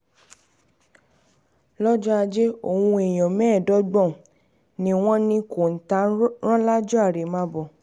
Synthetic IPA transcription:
lɔ˦d͡ʒɔ˦a˧d͡ʒe˦o˦˨wũ˧e˨j̃ɔ̃˨mɛ̃ː˦˨dɔ˨˦ɡ͡bɔ̃˦˨ | nĩ˦w̃ɔ̃˦nĩ˧ko˨n̩˨ta˦ɾ̃ɔ̃˦la˦d͡ʒɔ˦a˦˨ɾe˨mã˧bɔ˨

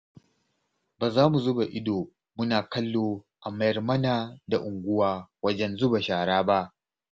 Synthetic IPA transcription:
baː˨zaː˦mu˨zʊ˦ba˨ʔɪ˦doː˨ | mʊ˦naː˨kɐ˦lːoː˨ʔa˨mɐ˦jɐ˨rmɐ˦naː˨da˨ʔʊ˨ŋɡʷʊ˦waː˦wɐ˦d͡ʒɛ˦nzʊ˦ba˨ʃaː˨ɽaː˦ba˦ʔ

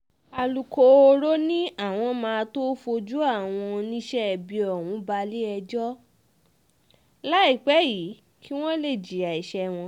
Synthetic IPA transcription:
a˨lu˨ko˨o˧ɾo˦nĩ˦a˦˨w̃ɔ̃˧mãː˧to˦fo˧d͡ʒu˦a˦˨w̃ɔ̃˧nĩ˦ʃɛ˦ɛ˨bi˨˧ɔ˨wũ˨˦ba˧li˦ɛ˧d͡ʒɔ˦ | la˦i˦˨k͡pɛ˨˦ji˨˦ | ki˦w̃ɔ̃˦le˦˨d͡ʒi˨a˨i˨ʃɛ˧w̃ɔ̃˧

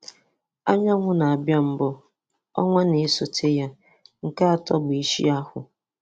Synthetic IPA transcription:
a˦ɲa˦ŋʷʊ˦na˨a˨bja˦m̩˦bɔ˦ | ɔ̰˦ŋʷa˦ne˨˦so˨tʰe˦ja˦ | ŋ̩˨ka˦a˨tɔ˦ɡ͡bi˦ʃḭ˦a˦hʊ˨

